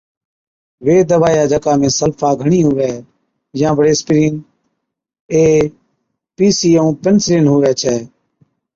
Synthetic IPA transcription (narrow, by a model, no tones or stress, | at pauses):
ʋeːd̪əʋaːjaːd͡ʒəkaːmẽːsəlfaːɡʱəɳiːɦʊʋɛː | jãːʋəɽeːspɪɾiːn | eː | piːsiːəũːpənsɾiːnɦʊʋɛːt͡ʃʰɛː